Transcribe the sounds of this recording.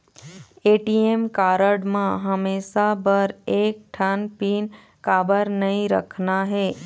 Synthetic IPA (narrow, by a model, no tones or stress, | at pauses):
eːʈiemkaːɾəɽmãɦəmeːʃabəɾeːk̚ʈʰənpiːn | kaːbəɾnəɦĩɾə̰kʰnaɦeː